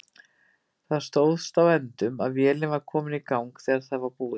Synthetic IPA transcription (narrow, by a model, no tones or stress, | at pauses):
θaðst̪oːwðst̪awɛnt̪ʏmaðvjɛːlɪnvaɾ̥kʰɔːmɪnikawŋkθɛːɣaɾ̥θaðvaɾpuːɪ